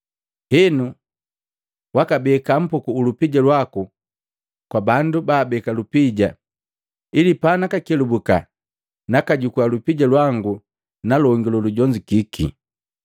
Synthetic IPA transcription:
hɛnu | wakabɛkam̩pukuːlupiɟalwaku | kwabandubaːbɛkalupiɟa | ilipanakakɛlubuka̰ | nakaɟukualupiɟalwaŋɡu | nalɔŋɡilɔluɟɔɲd͡ʒikikʰḭ

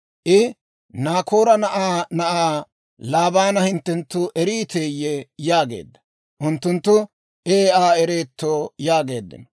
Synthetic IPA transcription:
ʔɪ | naːkʰoːɾɐnɐʔaːnɐʔaː | laːbaːnɐhɪnt̪ːɛnt̪ːʊʔɛɾiːt̪ʰeːjːɛjaːɡe̞̰ːd̪ːɐ̥ | ʔʊnt̪ːʊnt̪ːʊ | ʔeːaːɛɾeːt̪ːoːjaːɡe̞̰ːd̪ːɪ̰n

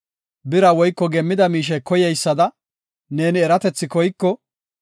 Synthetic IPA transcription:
bɪɾɐwɔjkːɔɡɛmːɪd̪ɐmiːʃ̬ɛkɔjɛjsːɐd̪ɐ | ne̞ːnɪɛɾɐt̪ɛt͡sːɪkɔjkːɔ

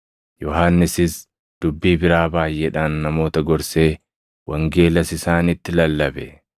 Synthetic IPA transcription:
jɔɦaːnːɪsɪs | d̪̥ʊbːiːbɪɾaːbaːjʔɛᶑaːnːɐmo̞ːt̪ɐɡɔɾse̞ː | wɐŋɡe̞ːlɐsɪsaːnɪt̪ːɪlɐlːɐbɛ

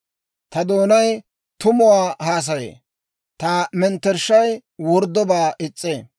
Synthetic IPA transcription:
t̪ɐd̪oːnɐj | t̪ʊmʊwaːhaːs̬ɐjḛː | t̪ɐmɛnt̪ːɛɾʃːɐjwɔɾd̪ːɔbaːʔɪt͡sʼːeː

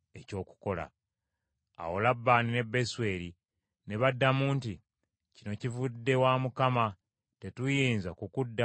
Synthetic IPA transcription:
e̞co̞ːku̥ko̞la̰ | a̰wo̞labːaːnine̞bːe̞swe̞ːɾi | ne̞βadːamuːnti | cino̞civudːe̞waːmukama | te̞tujiːnzakukudːa

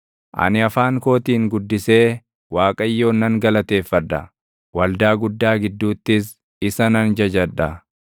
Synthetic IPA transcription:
ʔɐ̰nɪɐfaːŋko̞ːt̪iːŋɡʊd̪ːɪse̞ː | waːkʼɐjːo̞ːnːɐŋɡɐlɐt̪e̞ːfːɐd̪ːɐ | wɐld̪aːɡʊd̪ːaːɡɪd̪ːuːt̪ːɪs | ɪsɐnɐnd͡ʒɐd͡ʒɐd̪ɐ

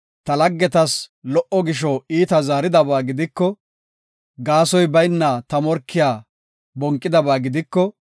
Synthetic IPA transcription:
t̪ɐlɐɡːɛt̪ɐslɔʔɔɡɪʃɔiːt̪ɐzaːɾɪd̪ɐbaːɡɪd̪ɪkːɔ | ɡaːsɔjbɐjnːɐt̪ɐmɔɾkʰːɪjaː | bɔŋkʼːɪd̪ɐbaːɡɪd̪ɪkːɔ

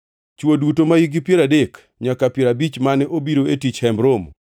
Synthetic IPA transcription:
t͡ʃwodutomajiɡɪpjeɾadek | ɲakapjeɾabit͡ʃmanɛʔobiɾoetit͡ʃhɛmbɾom

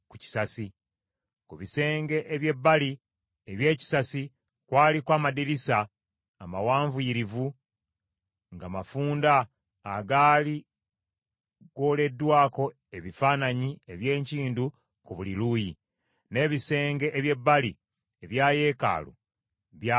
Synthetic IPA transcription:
kuci̥sasi | kuβise̞ːŋɡe̞ʔeβje̞bːali | eβje̞ːci̥sasi | kwaːlikwaːmadiɾisaː | mawaːɱvuiːɾivu | ŋɡamafuːndaː | ɡaːli | ɡo̞ːle̞dːwaːko̞ | e̞βifaːnaɲieβje̞ːɲciːndu | kuβuliluːji | ne̞ːβise̞ːŋɡe̞ʔːβje̞bːali | eβjaːje̞ːka̰ːlṵ | βja

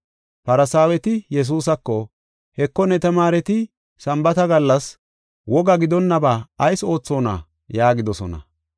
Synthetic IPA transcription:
pɐɾɐsaːwɛt̪ɪjɛs̬uːs̬ɐkːɔ | hɛkːɔnɛt̪ɐmaːɾɛt̪ɪ | sɐmbɐt̪ɐɡɐlːɐs | wɔɡɐɡɪd̪ɔnːɐbaːɐjso̞ːt͡sːo̞ːnɐ̰ | jaːɡɪd̪ɔsɔ̰nɐ̰

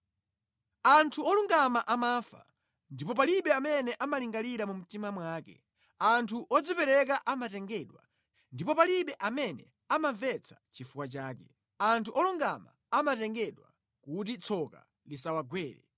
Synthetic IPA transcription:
antʰuɔluŋɡamaʔamaːfa̰ | ndipɔpaliɓɛamɛnɛʔamaliŋɡaliɾamum̩timamwaːkɛ̰ | antʰuʔɔd͡zipɛɾɛk̬aʔamatɛŋɡɛɗwa̰ | ndipɔpaliɓɛʔamɛnɛ | amaɱvɛt͡sʰḁt͡ʃifukwat͡ʃaːkɛ | antʰuʔɔluŋɡama̰ | amatɛŋɡɛɗwa̰ | kut̬it͡sʰɔka̰ | lisawaɡwɛːɾɛ̰

